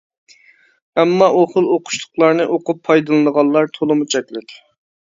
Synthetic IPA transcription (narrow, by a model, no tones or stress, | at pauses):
ɛmːɑʔoχəlˠoqʰʊ̥ʃlˠʊ̥qlˠɑɾnɨʔoqʊpʰːɑjd̪ɨlˠɨnəʁɑlˠlːˠɑɾt̪ʰolˠɨmut͡ʃʰɛkʲlɪkʲ